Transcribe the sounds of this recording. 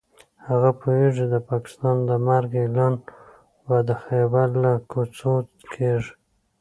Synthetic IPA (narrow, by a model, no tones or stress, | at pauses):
haɣapʰoweʐid̪əpɑkɪ̥st̪ɑnd̪əmaɾɡelɑn | wad̪axebaɾlakʰut͡so | kʰeʐ